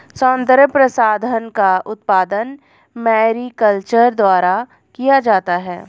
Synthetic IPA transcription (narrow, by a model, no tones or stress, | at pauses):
sɔ̃ːnd̪əɾpɾəsaːd̪ʱənkaʊt̪̚paːd̪ən | mɛːɾikəlt͡ʃəɾd̪waːɾa | kijad͡ʒaːt̪aɦɛː